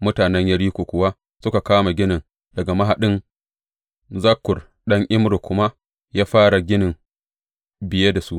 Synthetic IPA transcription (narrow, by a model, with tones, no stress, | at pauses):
mʊ˦taː˨nɛ˦ɲjɐ˦ɽiː˦kʷoː˨kʷʊ˨wa˦ | sʊ˦ka˨kaː˦ma˨ɡʲɪ˦nɪ˨ŋ | dɐ˨ɡa˨ma˦ɦa˨ɗɪ˦n | zɐ˦kːʊ˨r | ɗɐ˦ŋʔɪ˦mɾo˨kʷʊ˦ma˦ | jaː˦ɸaː˦ɽa˨ɡʲɪ˦nɪ˨ŋ | bɪ˨je˦da˨su˦ʔ